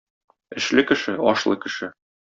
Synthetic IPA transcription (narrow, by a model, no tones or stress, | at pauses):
ɘ̆ʃlɘkɘ̆ʃɘɒʃlˠɤ̰kɘ̆ʃɘ